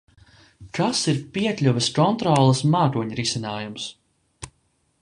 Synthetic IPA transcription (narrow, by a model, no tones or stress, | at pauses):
kasiɾpiɛklʲuvʲɛskɔnt̪ɾɔːlˠɐsmaːk̪uɔɲɾisinaːjums